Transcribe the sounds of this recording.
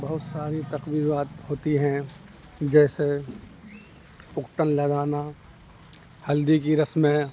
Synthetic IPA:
bɐɦʊt̪saːɾit̪ɐqbiːɾaːt̪hoːt̪iɦɛ̃ | d͡ʒɛːse | ʊkʈənlɐd̪aːna | hɐld̪ikiɾɐsmẽ

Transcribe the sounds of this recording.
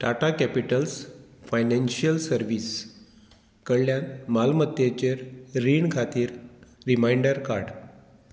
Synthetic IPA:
ʈaʈakɛpiʈəlsfajnẽnɕijəlsəɾʋiːs | kəɭljanmalmət̪jet͡ɕeɾɾiːɳkʰat̪iːɾːimajɳɖəɾkaɾɽ

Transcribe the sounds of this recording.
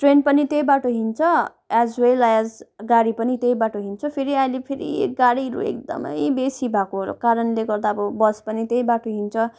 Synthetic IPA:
ʈrenpʌnit̪jejbaʈoɦint͡sʰʌ | azuwelajad͡zɡaɽipʌnit̪ejbaʈoɦint͡sʰʌpʰeɾiaĩlepʰeɾḭeɡaɽiɾṵḛkd̪ʌ̰mʌ̰jbesibʱakoɦɾo̰kaɾʌnleɡʌrd̪aʌbʌbʌspʌnit̪ejbaʈoɦint͡sʰʌ

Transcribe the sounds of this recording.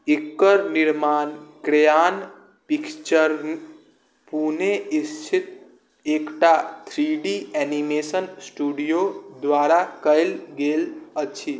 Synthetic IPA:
ikːəɾniɾmaːnkɾejan | pikt͡ʃəɾn | puneist͡ʃʰɪt̪̚ | ekʈat̪ʰɾiɖiɛnimesənsʈuɖijod̪ʋaːɾakəjlɡelət͡ʃʰi

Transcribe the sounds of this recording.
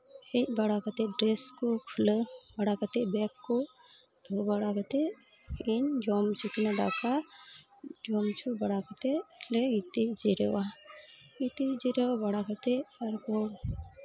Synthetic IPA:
hibɐɽakət̪eɖɾeskokʰuləbɐɽakət̪ebɛkːo | d̪̥ʱobɐɽakɐt̪e | ind͡ʒomt͡ʃʰukinaɖa̰ka | d͡ʒɔmt͡ʃʰubɐɽakət̪eleɡit̪id͡ʒiɾewa | it̪id͡ʒiɾewabɐɽakət̪eɐɾko

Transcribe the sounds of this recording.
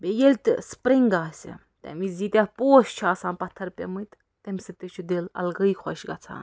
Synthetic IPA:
bejelʲt̪spɾiŋɡaːsʲḭ | t̪ʲḛmizit̪ʲapoːst͡ʃʰaːsaːnpɐt̪ʰːɐɾpʲḛmɨt̪ːemʲset̪et͡ʃʰud̪elɐ̰lɡəjkʰɔʃɡɐt͡sʰa̰n

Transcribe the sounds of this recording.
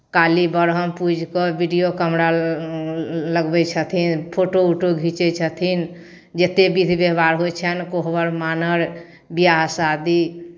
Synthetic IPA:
kalibəɾɦəmpud͡ʒʱkəbiɖijokəmɾa | ləɡbɛt͡ʃʰət̪ʰinpʰoʈouʈoɡʱit͡ʃɛt͡ʃʰət̪ʰin | d͡ʒet̪ebid̪ʱbeɦbaɾɦot͡ʃʰɛnkoɦbəɾmanəɾ | bijaɦsad̪i

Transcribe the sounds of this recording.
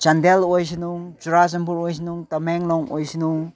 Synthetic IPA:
t͡ʃandɛlojs̬inuŋt͡ʃuɾas̬ɐmpuɾojs̬inuŋtɐmɛŋlɔŋɔjsinuŋ

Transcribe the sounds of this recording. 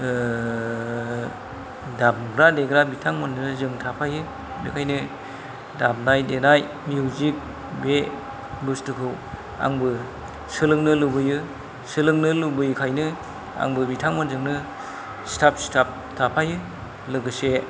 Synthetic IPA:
dab̚ɡɾadeɡɾabitʰaŋmɯnzɯŋtʰapʰajɯ | bekʰajnɯ | dab̚najdenaj | mjuzik̚ | be | bustɯkʰɯw | a̰ŋbɯ | sɯlɯŋnɯlubɯjɯ | sɯlɯŋnɯlubɯjkʰajnɯ | a̰ŋbɯbitʰaŋmɯnzɯŋnɯ | stʰap̚stʰap̚ | tʰapʰajɯ | lɯɡɯse

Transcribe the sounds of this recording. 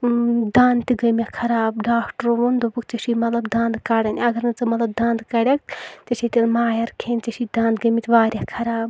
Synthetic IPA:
d̪ãːnt̪iɡɐmʲakʰɐɾaːbɖaːkʈɾoʋund̪obukt͡ʃɐʃimɐt̪lɐbd̪ãːnd̪kaɽɐnʲɐɡɐɾnɨt͡sɐmɐt̪lɐb̚d̪ãːnd̪kɐɽʲɐkt͡sɐʃit̪ilmaːjɐɾkʰeːnt͡ʃɐʃid̪ãːnd̪̚ɡɐmit̪ʋaːɾʲjakʰɐɾaːb

